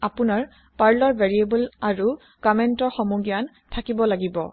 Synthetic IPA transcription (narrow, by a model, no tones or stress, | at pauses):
apunaɹ | paɹlɔɹvʱeɹiebulaɹu | kɔmɛntɔɹxɔmuɡjan | tʰakibɔlaɡibɔ̰